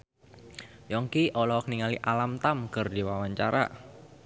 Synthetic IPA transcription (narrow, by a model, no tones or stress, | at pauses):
jɔŋkiʔɔlɔk̚niŋaliʔalamt̪amkərdiwawaɲt͡ʃaɾa̰